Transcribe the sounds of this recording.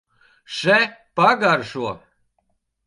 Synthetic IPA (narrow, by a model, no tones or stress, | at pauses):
ʃɛpaɡaɾʃuɔ